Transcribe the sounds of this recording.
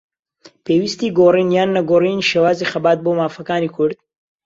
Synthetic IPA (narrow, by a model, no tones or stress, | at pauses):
pʰeːwist̪iːɡorinjaːnːɐɡoriniʃeːwaːzixɐbaːt̪̚boːmaːfɐkaːnikʰʊɾd̪̥̚